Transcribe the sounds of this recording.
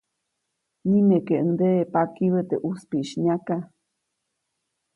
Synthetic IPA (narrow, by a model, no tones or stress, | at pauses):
nimekeʔəŋd̪eʔepakiβet̪eʔuspiʃɲaka